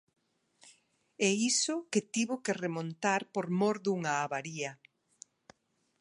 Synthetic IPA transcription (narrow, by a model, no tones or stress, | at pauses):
ɛisʊket̪iβokeremõnt̪aɾpoɾmoɾðuŋaːβaɾiɐ